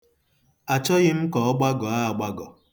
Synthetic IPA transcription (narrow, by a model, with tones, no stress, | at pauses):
a˨t͡ʃɔ˦ɣɪ˦m̩˦kɔ˨ɔ˦ɡ͡ba˦ɡɔ˨a˦˨ɡ͡ba˦ɡɔ˨